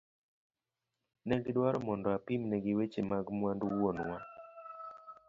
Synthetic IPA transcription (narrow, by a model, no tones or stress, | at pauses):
nɛɡɪdwaɾɔmɔndɔapimnɛɡɪwet͡ʃemaɡmwandwonwa